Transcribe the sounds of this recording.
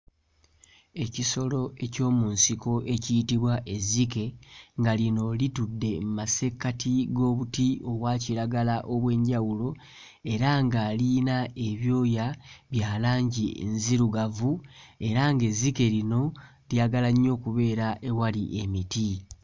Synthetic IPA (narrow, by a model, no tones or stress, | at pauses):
e̞ciso̞lo̞e̞co̞ːmunsiko̞ʔe̞cijitiβwaʔe̞zike̞ŋɡalino̞litudːe̞mumase̞kːatiɡo̞ːβutio̞βwaːciɾaɡalaʔo̞βwe̞ːɲɟawulo̞ | e̞ɾaŋɡalinae̞βjo̞ːjaβjaːlaːɲɟiḛnziɾuɡavue̞ɾaŋɡe̞zike̞lino̞ | ljaɡalaɲːo̞ːkuβe̞ːɾaʔe̞waliʔe̞miti